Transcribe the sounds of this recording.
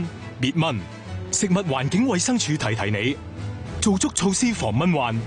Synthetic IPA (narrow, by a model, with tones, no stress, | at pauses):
miː˨t̚mɐ˥˩n | sɪ˨k̚mɐ˨t̚waː˨˩nkɪ˨˥ŋwɐ˨˧jsɐ˥ŋt͡ʃʰyː˨˧t̪ʰɐ˨˩jt̪ʰɐ˨˩jne˨˧j | t͡so˨wt͡sʊ˥k̚t͡sʰo˧wsiː˥fɔː˨˩ŋmɐ˥nwaː˨n